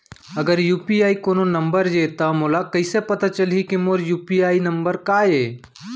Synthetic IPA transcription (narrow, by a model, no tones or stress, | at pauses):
ɐɡəɾjuːpiaːikoːnonəmbəɾd͡ʒet̪amoːlakəɪsepɐt̪at͡ʃəlɦikimoːɾjuːpiaːinəmbəɾkaːjeː